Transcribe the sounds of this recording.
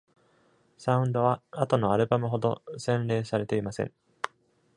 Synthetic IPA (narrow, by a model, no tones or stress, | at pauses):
saɯ̟̃nd̪o̞βaːt̪o̞no̞aɾɯ̟bamɯ̟ɦo̞d̪o̞sẽ̞nɾe̞ːsaɾe̞t̪e̞imasḛ̃ŋ